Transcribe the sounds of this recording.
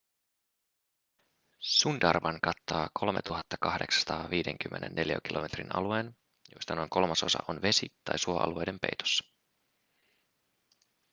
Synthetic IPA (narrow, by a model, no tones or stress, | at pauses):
sundɑrʋɑŋkɑt̪ːɑːkʰo̞lme̞t̪uɦɑt̪ːɑ̥kɑhde̞ksɑ̥st̪ɑːʋiːde̞ŋk̟ymːe̞nʔenːʔe̞ljæ̰k̟ilʔo̞̰me̞t̪rinɑ̰lue̞ːn | jo̞jst̪ɑno̞jŋko̞lmɑso̞sɑ̰ʔonʋe̞sit̪ɑjsuoʔɑ̰lue̞jde̞mpe̞jt̪o̥sːɑ̥